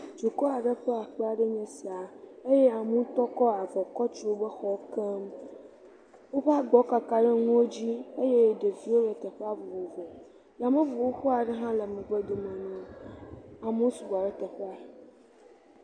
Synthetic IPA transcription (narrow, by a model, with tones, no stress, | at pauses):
t͡ʃu˨kɔ˦a˨ɖə˦ɸɛ˦a˨k͡pe˦a˨ɖe˦ɲɛ̃˨si˨a˨e˦je˦a˨mũ˦t̪ɔ˦kɔ˦a˨vɔ˨kɔ˦t͡ʃɾo˦bə˦xɔ˦ke˦m | wo˦ɸa˦ɡ͡bɔ˨ka˨ka˨ɖe˦ŋũ˦wo˦d͡ʑi˦e˦je˦˨ɖe˨vi˦wo˦ɖe˨t̪ɛ˨ɸe˦a˦vo˨wo˨vɔ˨ | la˨mẽ˦vo˨wo˦ɸu˦a˨ɖe˦ɦã˦lɛ˨mɛ̃˨ɡ͡be˦d̪o˨mɛ̃˨nũ˨˦ | a˨mũ˦su˨ba˨ɖɛ˦t̪ɛ˨ɸɛ˦a˨